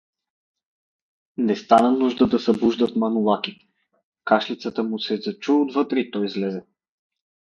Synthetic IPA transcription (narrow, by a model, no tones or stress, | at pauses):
nɛst̪anənuʒd̪əd̪ɐsɐbuʒd̪ət̪mɐnulˠaki | kaʃlit̪sət̪əmusɛzɐt͡ʃuod̪vɤt̪ɾɛit̪ɔjizlɛzɛ